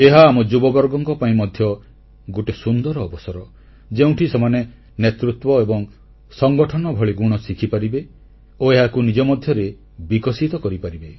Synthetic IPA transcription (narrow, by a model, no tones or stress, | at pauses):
eɦaːmɔd͡ʒubɔbɔɾɡɔŋkɔpaĩmɔd̪ʱjɔ | ɡuʈesund̪ɔɾɔːbɔsɔɾɔ | d͡ʒeũʈʰisemane | net̪ɾut̪wɔebɔŋ | sɔŋɡɔʈʰɔnɔbʱɔɭiɡuɽ̃ɔsikʰipaɾibe | oeɦakunid͡ʒɔmɔd̪ʱjɔɾe | bikɔsit̪ɔkɔɾipaɾibe